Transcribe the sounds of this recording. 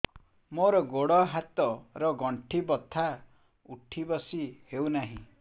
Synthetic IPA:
moɾɔɡoɽɔɦat̪ɔɾɔɡɔɳʈʰibɔt̪ʰa | uʈʰibɔsihewnaɦḭ̃

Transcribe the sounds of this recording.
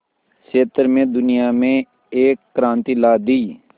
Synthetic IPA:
keːt̪əɾmẽːd̪ʊnɪjaːmẽ | eːkːɾãːnt̪iːlaːd̪iː

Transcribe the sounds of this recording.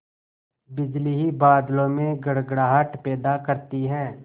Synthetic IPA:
bɪd͡ʒliɦibaːd̪lõmẽɡɐɽɡɽaːɦəʈpɛːd̪akɐɾt̪iɦɛ̃ː

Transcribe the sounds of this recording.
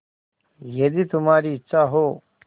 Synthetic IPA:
jɐd̪it̪ʊmaːɾiːtːʃʰaɦoː

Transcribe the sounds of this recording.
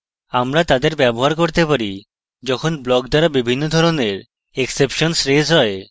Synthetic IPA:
amɾat̪ad̪eɾbɛboɦaɾkoɾt̪epaɾi | d͡ʑɔkʰonblɔkd̪aɾabibʱinːod̪ʱɔɾoneɾ | eksepʃonsɾezɦɔe

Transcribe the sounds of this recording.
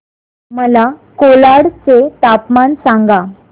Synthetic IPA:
məlakolaɽt͡set̪apmansaŋɡa

